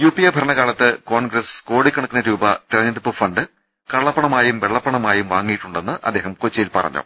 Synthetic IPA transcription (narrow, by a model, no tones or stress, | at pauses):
juːpːijɐːbʱɐɾɐɳɐɣaːɭɐt̪ːɨkoːɳɡɾɐsko̞ːɽikːɐɳukːinːɐɾuːbɐt̪iɾɐɲːɐndipːɨfɐɳɖɨ | kɐɭːɐpːɐɳɐmaːjumʋeɭːɐpːɐɳɐmaːjumʋaːŋːijʈːuɳɖenːɨʔɐ̰d̪ːe̞ːɦɐmkot͡ɕːɐjilpɐ̰rɐ̰ɲːṵ